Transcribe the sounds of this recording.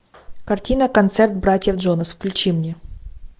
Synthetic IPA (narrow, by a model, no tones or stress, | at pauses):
kɐrtʲinɐkɐnt̪sɛrt̪̚bɾatʲjɛvdʐɔnɐsfklʲʉt͡ɕimnʲe